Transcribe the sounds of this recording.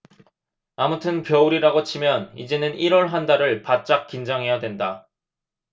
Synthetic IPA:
amutʰɯnpjʌuɾiɾaɡot͡ɕʰimjʌnḭd͡ʑe̞nɯniɾʌɭɦandaɾɯɭpat̚t͡ɕ͈ak̚k͈ind͡ʑaŋɦe̞jadwe̞nda

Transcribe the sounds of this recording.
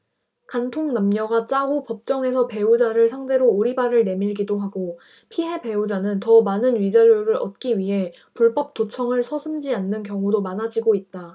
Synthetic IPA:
kantʰoŋnamɲʌɡat͡ɕ͈aupʌp̚t͡ɕ͈ʌŋe̞sʰʌpe̞ud͡ʑaɾɯɭsʰaŋde̞ɾoːɾibaɾɯɭne̞miɭɡidoɦaɡo | pʰiɦe̞pe̞ud͡ʑanɯntʌmanɯnɥid͡ʑaɾoɾɯɾʌ̰t̚k͈iɥiɦe̞ | puɭpʌp̚t͈ot͡ɕʰʌŋɯɭsʰʌsʰɯmd͡ʑianːɯnkjʌŋudomanad͡ʑiɡoit̚t͈a

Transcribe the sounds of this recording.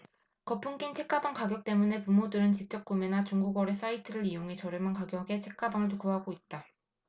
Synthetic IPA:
kʌpʰuŋk͈int͡ɕʰe̞k͈abaŋkaɡjʌk̚t͈e̞mune̞pumodɯɾɯnt͡ɕik̚t͡ɕ͈ʌk̚k͈umenat͡ɕuŋɡuɡwʌɾe̞s͈aitʰɯɾɯɾijoŋe̞t͡ɕʌɾjɯmankaɡjʌɡe̞t͡ɕʰek͈̚abaŋɯtʰokuɦaɡoit̚t͈a

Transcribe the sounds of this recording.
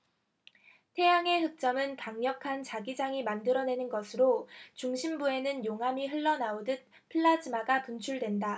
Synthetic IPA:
tʰe̞jaŋe̞ɦɯk̚t͡ɕ͈ʌmɯnkaŋɲʌkʰant͡ɕaɡid͡ʑaŋimandɯɾʌne̞nɯnɡʌsʰɯɾot͡ɕuŋɕʰimbue̞nɯnjoŋɦamiɦɯɭːʌnaodɯt̚ | pʰɯɭːad͡ʑimaɡapunt͡ɕʰuɭdwe̞nda

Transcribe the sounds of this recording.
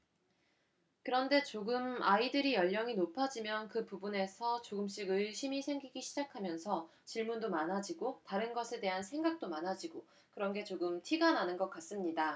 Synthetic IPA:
kɯɾʌnde̞t͡ɕoɡɯmaidɯɾijʌʎːʌŋinopʰad͡ʑimjʌnkɯpubune̞sʰʌt͡ɕoɡɯmɕ͈iɡɯɭɕʰimisʰe̞ŋɡiɡiɕʰid͡ʑakʰamjʌnsʰʌ | t͡ɕiɭmundomanɦad͡ʑiɡotaɾɯnɡʌsʰe̞de̞ɦansʰe̞ŋɡak̚t͈omanɦad͡ʑiɡo | kɯɾʌnɡe̞t͡ɕoɡɯmtʰiɡananɯnɡʌk͈as͈ɯmɲida

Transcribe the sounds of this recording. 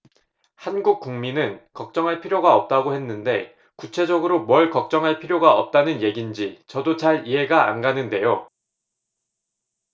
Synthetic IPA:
hanɡuk̚k͈uŋminɯnkʌk̚t͡ɕ͈ʌŋɦaɭpʰiɾjoɡaʌp̚t͈aɡohe̞nːɯnde̞̰ | kut͡ɕʰe̞d͡ʑʌɡɯɾomwʌɭkʌk̚t͡ɕ͈ʌŋɦaɭpʰiɾjoɡaʌp̚t͈anɯnje̞ɡind͡ʑit͡ɕʌdot͡ɕaɾiɦe̞ɡaa̰nɡanɯnde̞jo

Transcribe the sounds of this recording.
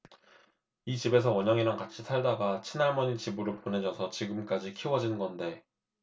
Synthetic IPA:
it͡ɕibe̞s̬ʰʌwʌɲʌŋinankat͡ɕʰitʰaɭdaɡat͡ɕʰinaɭmʌɲit͡ɕibɯɾopone̞d͡ʑʌsʰʌt͡ɕiɡɯmk͈ad͡ʑikʰiwʌd͡ʑinɡʌnde̞

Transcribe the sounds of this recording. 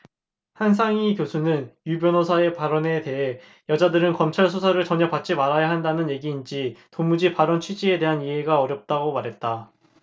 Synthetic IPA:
hans̬ʰaŋikjosʰunɯnjubjʌnosʰae̞paɾʌne̞te̞ɦe̞ | jʌd͡ʑadɯɾɯnkʌmt͡ɕʰaɭsʰusʰaɾɯɭt͡ɕʌɲʌpat͡ɕ͈imaɾajaɦandanɯnje̞ɡiːnd͡ʑitomud͡ʑipaɾʌnt͡ɕʰɥid͡ʑie̞de̞ɦaniɦe̞ɡaʌɾjʌp̚t͈aɡomaɾɦe̞t̚t͈a

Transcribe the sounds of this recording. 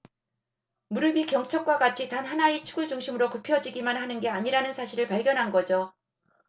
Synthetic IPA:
muɾɯmikjʌŋt͡ɕʰʌk̚k͈waɡat͡ɕʰitanɦanait͡ɕʰu̥ɡɯɭt͡ɕuŋɕʰimɯɾokɯpʰjʌd͡ʑiɡimanɦanɯnɡe̞aɲiɾanɯnsʰaɕʰiɾɯɭpaɭɡjʌnɦanɡʌd͡ʑo

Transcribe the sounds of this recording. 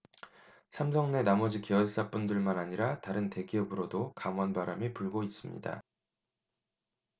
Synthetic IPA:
sʰamsʰʌŋne̞namʌd͡ʑikeʌɭs͈ap͈undɯɭmanaɲiɾataɾɯnte̞ɡeʌbɯɾodokamwʌnbaɾamipuɭɡois͈ɯmɲḭda̰

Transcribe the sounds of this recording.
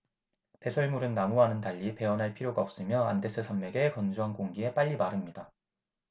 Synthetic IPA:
pe̞sʰoɭmuɾɯnːamuɦanɯntaʎːipe̞ʌnɦaɭpʰiɾjoɡaʌp̚s͈ɯmjʌande̞s͈ʰɯsʰamːe̞ɡe̞kʌnd͡ʑuʌnkoŋɡie̞p͈aʎːimaɾɯmɲida

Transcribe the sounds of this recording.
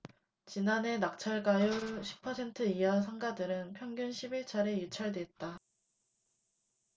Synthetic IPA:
t͡ɕinane̞nak̚t͡ɕʰaɭɡajuɕʰi̥pʰʌsʰe̞ntʰɯiɦas̬ʰaŋɡadɯɾɯnpʰjʌŋɡjunɕʰibiɭt͡ɕʰaɾe̞jut͡ɕʰaɭdwe̞t̚t͈a

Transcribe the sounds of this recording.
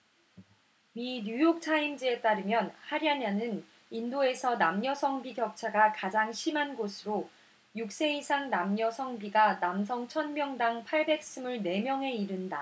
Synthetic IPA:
miɲujok̚t͡ɕʰaimd͡ʑie̞t͈aɾɯmjʌnhaɾjananɯn | indoe̞sʰʌnamɲʌsʰʌŋbiɡjʌk̚t͡ɕʰaɡakad͡ʑaŋɕʰimɦanɡosʰɯɾo | juk̚s͈e̞isʰaŋnamɲʌsʰʌŋbiɡanams̬ʰʌŋt͡ɕʰʌnmjʌŋdaŋpʰaɭbe̞k̚s͈ɯmɯɭne̞mjʌŋɦe̞iɾɯnda

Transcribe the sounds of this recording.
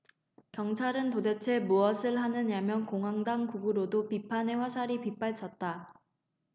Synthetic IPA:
kjʌŋt͡ɕʰaɾɯntode̞t͡ɕʰe̞muʌsʰɯɭɦanɯɲamjʌnkoŋɦaŋdaŋkuɡɯɾodopipʰane̞ɸwasʰaɾipip͈aɭt͡ɕʰʌt̚t͈a

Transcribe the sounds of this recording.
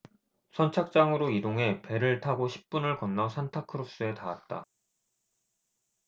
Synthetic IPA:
sʰʌnt͡ɕʰak̚t͡ɕ͈aŋɯɾoidoŋɦe̞pe̞ɾɯɭtʰaɡoɕʰi̥p̚p͈unɯɭkʌnːʌsʰantʰakʰɯɾop̚s͈ɯe̞tawat̚t͈a̰

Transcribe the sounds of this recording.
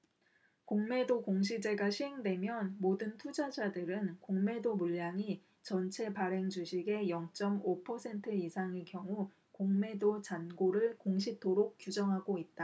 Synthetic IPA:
koŋme̞dokoŋɕʰid͡ʑe̞ɡaɕʰiɦe̞ŋdwe̞mjʌnmodɯntʰud͡ʑad͡ʑadɯɾɯnkoŋme̞domuʎːaŋi | t͡ɕʌnt͡ɕʰe̞paɾe̞ŋd͡ʑuɕʰiɡe̞jʌŋt͡ɕ͈ʌmopʰʌsʰe̞ntʰɯisʰaŋɯɭkjʌŋu | koŋme̞dot͡ɕanɡoɾɯɭkoŋɕʰitʰoɾok̚k͈jud͡ʑʌŋɦaɡoit̚t͈a

